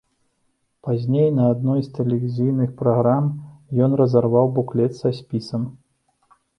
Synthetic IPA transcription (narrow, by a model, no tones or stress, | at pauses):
pazʲnʲejnɐad̪nɔjst̪ɛlʲɛvʲizɨjnɨxpɾaɣɾamjɔnrɐzarvawbuklʲɛt̪sɐsʲpʲisɐm